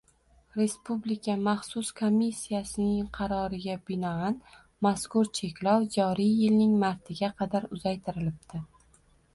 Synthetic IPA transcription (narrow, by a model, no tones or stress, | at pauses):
ɾe̞spublɪkʲʰamaχsʊskʰomːisːijasɪnɪŋqʰɑɾɒɾɪɡʲabɪnɒan | maskʊɾt͡ʃʰe̞kʲlɒwd͡ʒɒɾɪjjɪlnɪŋmaɾt̪ʰɪɡʲaqʰɑd̪aɾʊzajt̪ʰɪɾɪlɪp̚t̪ɪ